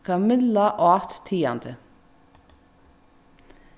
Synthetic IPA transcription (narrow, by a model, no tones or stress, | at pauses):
kʰɑmɪlɑʔɑːt̪t̪ʰiːɑnd̪ə